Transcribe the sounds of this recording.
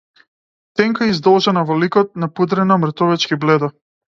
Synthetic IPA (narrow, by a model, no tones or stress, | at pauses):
t̪ɛŋkaizd̪ɔlˠʒɛnavɔlikɔt̪̚napud̪ɾɛnamr̩t̪ɔvɛt͡ʃkiblɛd̪a